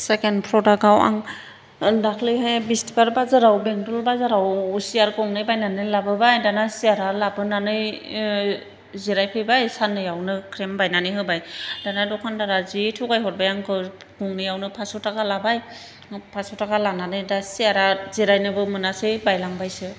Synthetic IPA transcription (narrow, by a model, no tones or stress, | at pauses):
sekenpʰɾɔdaɡawa̰ŋ | dakʰlɯjɦajbistʰibaɾbazaɾawbeŋtɔlbazaɾawusijaɾɡɔŋnɯjbajnanɯjlabɯbajdanasiaɾalabɯnanɯj | ziɾajpʰɯbajsanːɯjawnɯkʰɾembajnanɯjɦɯbajd̥anadɔkʰandaɾazitʰɔɡajɦɔt̚bajaŋkʰɯ | ɡɔŋnɯjawnɯpʰasɔtʰakalabaj | pʰasɔtʰakalananɯjdasiaɾaziɾajnɯbɯmɯnasejbajlaŋbajsɯ